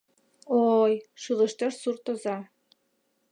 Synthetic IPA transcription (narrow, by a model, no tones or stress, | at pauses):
ojʃɯlə̆ʃt̪eʃsurt̪ɤ̆zɑ